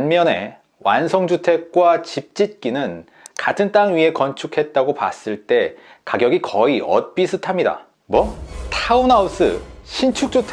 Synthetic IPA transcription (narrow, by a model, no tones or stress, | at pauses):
anmjʌne̞̰ | wa̰nsʰʌŋd͡ʑutʰe̞k̚k͈wat͡ɕip̚t͡ɕ͈it̚k͈inɯn | katʰɯnt͈aŋɥie̞kʌnt͡ɕʰukʰe̞t̚t͈aɡopa̰s͈ɯɭt͈e̞ | kaɡjʌɡikʌiʌ̰t̚p͈isʰɯtʰamɲida̰ | mwʌtʰaunaus͈ɯ̰ɕʰint͡ɕʰuk̚t͡ɕ͈utʰe